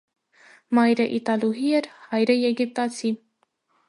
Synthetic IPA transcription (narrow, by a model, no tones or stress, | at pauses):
mɑjɾəʔit̪ɑluɦiɛɾhɑjɾəjɛɡip̚t̪ɑt͡sʰi